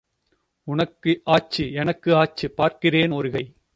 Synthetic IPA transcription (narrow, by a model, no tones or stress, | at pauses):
ʊnɐkːɯʔaːt͡ʃːɯɛnɐkːɯaːt͡ʃːɯpːaːɾkɪreːnoːɾɯɣɐɪ